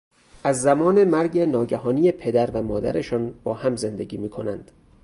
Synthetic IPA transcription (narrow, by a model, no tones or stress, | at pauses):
ʔæzːæmɒːne̞mæɾɟenɒːɟæɦɒːnijepʰe̞d̪æɾvæmɒːd̪æ̰ɾe̞ʃɒːnb̥ɒːhæmze̞nd̪eɟiːmiːkʰo̞nænd̪̥